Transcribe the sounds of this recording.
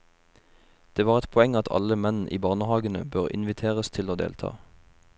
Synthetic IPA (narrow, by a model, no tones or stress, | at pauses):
d̪̥eːʋɑːʁɛt̪pʰɔɛŋɑt̪ʰɑ̰ləmɛnn̩ʔḭːbɑːʁnəhɑːɡənə̰bøːʁɪ̰nʋɪt̪ʰeːʁəst̪ʰɪloːd̪ḛːlt̪ʰɑ̰ː